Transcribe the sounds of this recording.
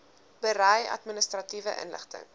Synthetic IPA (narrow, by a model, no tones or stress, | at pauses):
b̥əɾɛjɐ̰tminəstrɐtivəʔə̰nlə̰χtə̰ŋ